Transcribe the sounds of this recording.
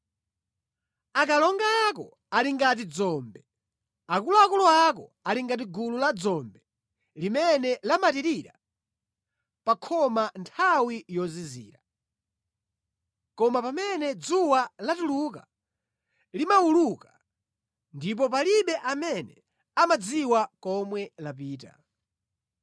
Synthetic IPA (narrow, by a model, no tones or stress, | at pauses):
akalɔŋɡaːkɔ̰ | aliŋɡat̬id͡zɔːmbɛ | akulɔakulɔak̬ɔ̰ | aliŋɡat̬iɡululad͡zɔmbɛ | limɛnɛlamatiɾiɾa | pakʰɔmantʰawijɔzizḭːɾa | kɔmapamɛnɛd͡zuwalatuluka | limawuluka | ndip̬ɔp̬aliɓɛʔamɛnɛ | amad͡ziwakɔmwɛlapiːta̰